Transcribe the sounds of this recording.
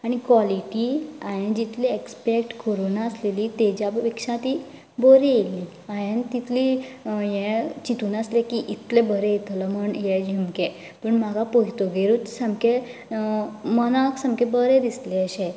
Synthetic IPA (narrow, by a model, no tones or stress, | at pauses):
aɽ̃ikʋaliʈiajẽd͡ʑit̪leekspekʈkoɾonaəsleliːt̪ed͡ʑjaʋekʂãt̪iː | bəɾejeliː | ajent̪it̪ʰlijẽt͡ɕit̪uːnaslekiʔit̪ʰlebəɾeet̪ləm̤əɳjɛd͡ʑimke | pəɳmaɡapojt̪oɡeɾut̪səmke | mənaksəmkebəɾẽd̪isleəɕe